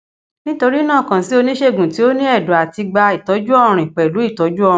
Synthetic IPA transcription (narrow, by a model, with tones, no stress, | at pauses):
nĩ˦to˧ɾi˦nãː˦˨kã˨si˦o˧nĩ˦ʃe˦˨ɡũ˨ti˨˦o˦nĩ˦ɛ˦˨dɔ˨a˨ti˧ɡ͡ba˧i˨tɔ˨˦d͡ʒu˦ɔ˦˨ɾ̃ĩ˨k͡pɛ˨lu˨˦i˦˨tɔ˨˦d͡ʒu˦ɔ̃˦˧˨